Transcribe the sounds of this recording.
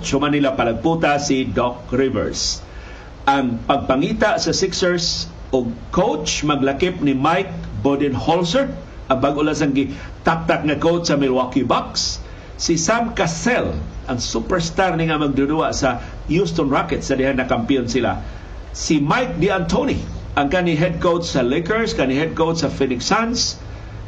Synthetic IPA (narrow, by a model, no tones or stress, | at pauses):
t͡ʃhʊmanːilapalaɡ̚put̪asidɔk̚ɾivɛ̰ɹs | ʔaŋpaɡ̚paŋit̪aʔsasɪksəɹs | ʊɡ̚kowt͡ʃmaɡlakɪp̚nimajk̚bodɪnholsəɹd̪ | ʔaŋbaɡʔʊlas̬aŋɡɪ | t̪ak̚t̪ak̚ŋakowt͡ʃsamɪlwakibaksː | isamkasɛlʔaŋsupɛɹst̪arniŋamaɡ̚dʊduaʔsa | just̪onɹakɛt̪sadɪɦanːakampiʊnsila̰ | simajk̚diant̪ʰoniʔaŋkaniɦɛd̚kowt͡ʃsalekəɹskaniɦɛd̚kowt͡ʃsafinɪksans